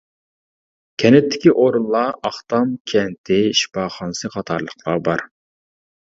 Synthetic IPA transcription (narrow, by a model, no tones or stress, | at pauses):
kʲʰɛnɪt̪ʰːɪ̥kʲiʔoɾunlˠɑɑχt̪ɑmkʲʰɛnt̪ʰɪʃi̥pɑːχɑnɨsɨqɑt̪ʰɑɾlˠəqlˠɑbɑɾ